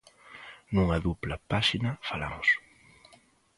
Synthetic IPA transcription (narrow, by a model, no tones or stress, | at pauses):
nuŋɐðuplɐpaʃinɐfala̰mʊs